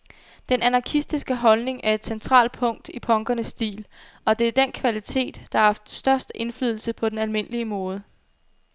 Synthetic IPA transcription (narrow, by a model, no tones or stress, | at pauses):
d̥enænɑ̈kʰisd̥isɡ̥əɦɒ̽lne̝ŋæɐe̝d̥sent͡sʰʁɑ̰̈ːl̥̚pʰɔ̽ŋ̰d̥ipʰɒ̽ŋɡ̥ɐnəsːd̥ḭːl | ɒ̽d̥e̝æɐd̥en̰kʰʋælit͡sʰe̝̰ːd̥ːɑ̈ɑ̈fd̥sd̥ɶɐsd̥əʔe̝nfly̰ːð̞ˠl̩səpʰɒ̽d̥enælme̝n̰əliəmɔ̽ːð̞ˠə